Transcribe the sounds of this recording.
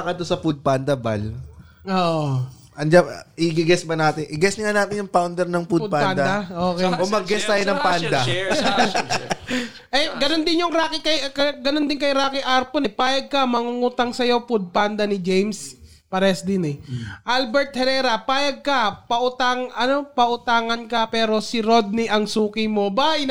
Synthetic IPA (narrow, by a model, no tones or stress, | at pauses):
kɐd̪t̪osɐpud̪̚pand̪ɐba̰l | ʔoːʔʔo | ʔɐnd͡ʒaʔɪɡɪɡɛsbɐnaːt̪ɪnʔɪɡɛsnɪŋanaːt̪ɪnjʊŋpawnd̪ɛɾnɐŋpud̪̚panand̪ɐd̪ɐʔoːkɛjʔomɐɡɡɛst̪ɐjonɐŋpand̪ɐ | ʔɛɡɐnond̪ɪnjʊŋɾaːkɪkɐjkɐɡɐnond̪ɪnkɐjɾaːkɛʔaɾponɛpaːjɐɡ̚kɐmɐŋuŋuːt̪ɐŋsɐjo̞pʊd̪̚pand̪ɐnɪd͡ʒejms | pɐɾɛsd̪ɪnɛʔalbɛɹt̪̚hɛɾɛːɾɐpaːjɐɡ̚kɐpɐʔʊt̪aŋʔɐno̞pɐʔʊt̪aːŋɐnkɐpɛːɾo̞sɪɾo̞d̪̚niʔɐŋsuːkɪmo̞baj